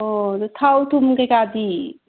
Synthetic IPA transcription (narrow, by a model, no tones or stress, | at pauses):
ot̪t̪ʰawt̪ʰumkekad̪i